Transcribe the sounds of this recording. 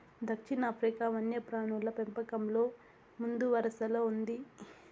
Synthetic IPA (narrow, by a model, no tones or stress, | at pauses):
d̪ɐkʂinɐːpʰɾikaːʋɐnjɐpɾaːɳulɐpempɐkɐmlo̞ː | mund̪uʋɐɾɐsɐloːund̪i